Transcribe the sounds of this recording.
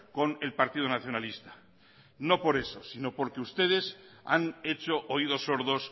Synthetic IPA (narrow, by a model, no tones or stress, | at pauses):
ko̞ne̞lpaɾt̪iðonaθjo̞nalist̪ḁ | no̞po̞ɾe̞so̞sino̞po̞ɾke̞ust̪e̞ð̞e̞sa̰ne̞t͡ʃo̞ʔoiðo̞soɾðo̞s